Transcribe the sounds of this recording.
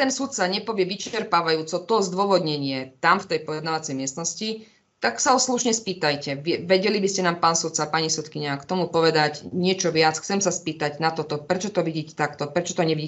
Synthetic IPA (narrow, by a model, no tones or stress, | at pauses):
t̪ɛnsut̪t͡saɲɛpɔʋɪɛʋit͡ʃɛɾpaːʋajuːt͡sɔt̪ɔzd̪ʊwɔʋɔd̪ɲɛɲɪɛt̪amft̪ɛjpɔjɛd̪naʋat͡sɛjmɪɛst̪nɔsci | t̪aksaɔsluʃɲɛspiːt̪ajcɛʋɛʋɛɟɛlibiscɛnaːmpaːnsut̪t͡sapaɲisɛt̪kiɲakt̪ɔmupɔʋɛd̪acɲɪɛt͡ʃɔʋɪat͡sxt͡sɛmsaspiːt̪aɟnat̪ɔt̪ɔpɾɛt͡ʃɔt̪ɔʋiɟiːcɛ̥t̪akt̪ɔpɾɛt͡ʃɔ̥t̪ɔɲɛiɟiː